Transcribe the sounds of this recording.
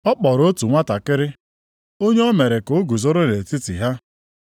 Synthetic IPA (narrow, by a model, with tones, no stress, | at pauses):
ɔ˦k͡pɔ˨ɾo˦tu˨ŋʷa˦ta˨kɪ˦ɾɪ˦ | o˦ɲe˦ɔ˦me˨ɾe˨ko˨o˦ɡu˨zo˦ɾʊ˦ne˨ti˦tḭ˨ɦa˦